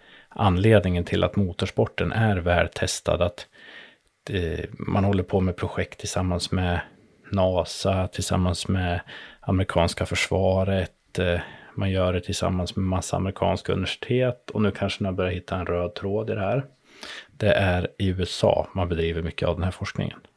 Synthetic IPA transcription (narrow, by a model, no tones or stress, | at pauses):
ʔanleːd̪nɪŋənt̪ʰɪlʔa̰t̪muːt̪ʰɑʂpɔʈːənʔæɾvæːɖt̪ʰɛst̪ʰa̰d̪at̪ | mʔa̰nhɔlːəɾpʰɔmɛpʰɾʊɧɛk̚t̪ʰːɪlsamːansmɛ | nɑːsat̪ʰɪlsa̰mːansmɛamɾɪkʰɑ̰ːnskafœʂvɑːɾət̪ | manjœːɖɛt̪ʰɪlsa̰mːansmɛmasːaa̰mɾɪkʰɑ̰ːnskaɵ̰nɪvæʂɪ̥t̪ʰeːt̪ɔnʉ̟ːkʰanʂənɪabœɾjahɪt̪ʰːaɛnɾøːd̪̚t̪ʰɾoːd̪ɪd̪ɛhæːɾ | d̪̥ɛʔæɾɪʉ̟ːɛsɑ̰ːmanbɛd̪ɾiːvəɾmʏkːəavd̪ɛnhæːɾfɔʂknɪ̰ŋə̰n